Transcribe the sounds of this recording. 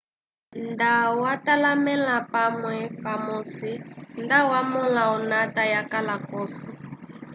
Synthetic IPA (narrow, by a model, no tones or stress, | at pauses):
ndawatalamɛlapamwɛpamɔsindawamɔlaɔnatajakalakɔsi